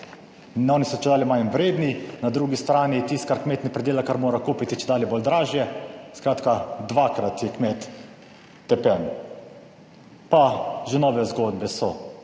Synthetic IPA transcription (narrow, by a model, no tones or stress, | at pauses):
nɔːnisɔt͡ʃɛd̪aːlimajnʋɾeːd̪ninad̪ɾuːɡist̪ɾaːnit̪ist̪̚kaɾkmeːt̪nɛpɾɛd̪eːlakaɾmoːɾakuːpit̪it͡ʃɛd̪aːlibold̪ɾaːʒjɛskɾaːt̪kad̪ʋaːkɾat̪jɛkmeːt̪ː | ɛpɛn | paʒɛnɔːʋɛzɡod̪bɛsɔ